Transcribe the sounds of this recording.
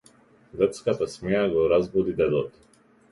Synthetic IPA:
ɡ̪ɛt̪skat̪asmɛjaɡɔɾazbɔd̪id̪ɛd̪ɔt̪

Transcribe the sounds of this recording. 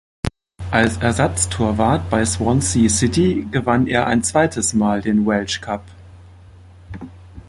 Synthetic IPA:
ʔalsʔɛɐzat͡stʰoːɐvaɐtb̥aɪswɔnsisɪtiɡəvaneːɐʔa̰ɪnt͡sv̥aɪtəsmaːldeːnwɛlʃkʰap

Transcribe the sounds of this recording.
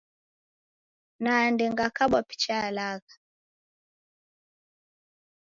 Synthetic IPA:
nandɛŋɡakaɓwapi̥t͡ʃalaɣa

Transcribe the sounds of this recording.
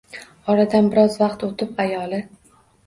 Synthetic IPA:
ɒɾad̪anbɪɾɒzvaqt̪ot̪ʰɪpajɒlɪ

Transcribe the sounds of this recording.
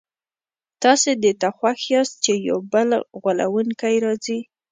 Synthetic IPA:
t̪ɑsed̪et̪axwaxɑst̪̚t͡ʃeja̰wbəlɣwala̰wunkajɾɑzi

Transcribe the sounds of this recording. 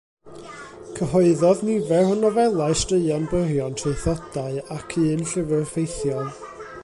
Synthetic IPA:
kʰəɦɔɨðɔðnivɛrɔnɔvɛlˠaɨstrəɨanbərjɔntʰreɨθɔd̥aɨakʰɨːnɬɪvɨrfejθjɔlˠ

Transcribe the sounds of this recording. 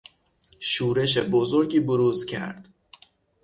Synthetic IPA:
ʃuːɾe̞ʃebozoɾɟiːboɾuːzcʲʰæ̰ɾd̪̥

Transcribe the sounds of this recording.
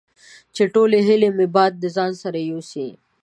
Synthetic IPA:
t͡ʃeʈoleɦɪlemebɑːd̪̚ːəzɑːnsɐɾajosi

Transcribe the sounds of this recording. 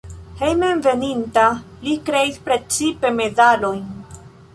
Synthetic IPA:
he̞jmenve̞ninta | likɾe̞ispɾe̞t͡sipe̞me̞dalo̞jn

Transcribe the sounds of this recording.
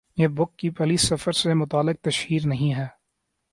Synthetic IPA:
jeːbʊkːipɐliːsɐfəɾsemʊt̪aːlɪk̚t̪ɐʃhiːɾnɐɦĩɦɛː

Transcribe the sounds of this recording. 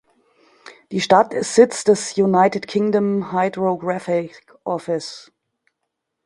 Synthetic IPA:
d̥iːʃtatɪstz̥ɪt͡sd̥ɛsjunaɪtɪtkʰɪŋdəmhaɪdʁoɡʁafɪk | ʔɔfɪs

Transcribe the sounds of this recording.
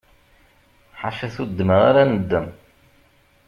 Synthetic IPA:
ħa̰fæθud̪ːəməʁaɾænəd̪ːəm

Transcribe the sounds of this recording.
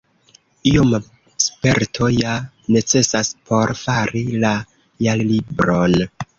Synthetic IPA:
iom | spe̞ɾtʰo̞ja | ne̞t͡se̞saspʰo̞ɾfaɾila | jallibɾo̞n

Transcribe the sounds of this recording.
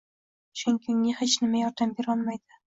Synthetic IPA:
ʃʊŋkʲʰɪŋːʲɪhet͡ʃnɪmajɒɾd̪ambeɾɒlˠmajd̪ɪ

